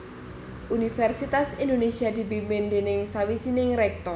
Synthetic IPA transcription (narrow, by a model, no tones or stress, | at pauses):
ʔunifɛrsit̪asindonesiad̪i̤bimbɪndenɪŋsawit͡ʃinɪŋɾɛk̚t̪ɔr